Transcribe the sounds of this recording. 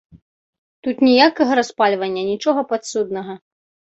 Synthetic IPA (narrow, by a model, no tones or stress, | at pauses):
t̪ut̪nʲijakɐɣɐɾaspalʲvɐnʲːɐnʲit͡ʂɔɣɐpat̪sud̪nɐɣɐ